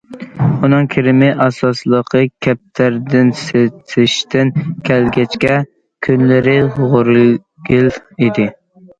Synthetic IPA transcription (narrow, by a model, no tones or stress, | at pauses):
unɨŋkʲʰɪɾɪmɪʔɑsɑslˠəqʰəkʲʰɛp̚t̪ʰæɾd̪ɪnset̪ʰɪʃt̪ɪnkʲʰælɡʲɛt͡ʃkʲɛ | kʲʰynlɪɾɪʁʊɾɨ | ɡʲilid̪ɪ